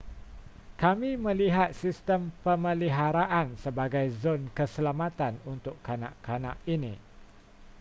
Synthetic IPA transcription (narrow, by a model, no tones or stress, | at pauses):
kamĩmə̃liɦat̪̚sist̪əmpəmə̃liɦaɾaʔansəbaɡajzonkəsəlamat̪anunt̪ʊkanã̰ʔkana̰ʔinḭ̃